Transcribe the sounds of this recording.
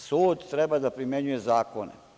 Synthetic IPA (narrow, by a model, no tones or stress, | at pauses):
suːd̪t̪ɾebad̪apɾimje̞ɲuje̞zaːkonḛ